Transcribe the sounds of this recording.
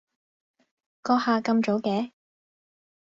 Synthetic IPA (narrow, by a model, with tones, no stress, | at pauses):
kɔː˧haː˨˧kɐ˧mt͡so˨˥kɛː˨˥